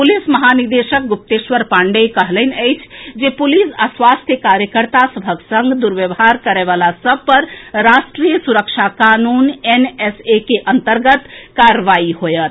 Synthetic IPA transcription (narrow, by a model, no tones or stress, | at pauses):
pulisməɦaniɾd̪esək̚ɡup̚t̪esʋəɾpaɳɖekəɦlɛnəjt͡ʃʰd͡ʒepulisaswast̪ʰjəkaɾjəkəɾt̪asəbʱəksə̃ŋɡd̪uɾʋjəbɦaɾkəɾeβalasəb̚ʱpəɾɾasʈɾijəsuɾəkt͡ʃʰakanunenesekeʔənt̪əɾɡət̪kaɾʋaiɦojət̪